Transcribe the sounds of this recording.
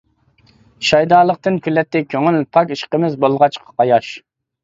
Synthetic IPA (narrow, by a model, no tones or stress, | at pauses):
ʃɑjd̪ɑːlˠəqt̪ɨnkʲʰylːɛt̪ʰːɛkʲʰøŋylpʰɑkʲiʃqəmɪzbolˠʁɑt͡ʃqʰɑ̥qɑjɑʃ